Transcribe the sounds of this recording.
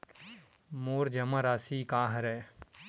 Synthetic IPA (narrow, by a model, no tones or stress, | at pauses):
moːɾd͡ʒɐmaɾaːsikaːɦɐɾɛ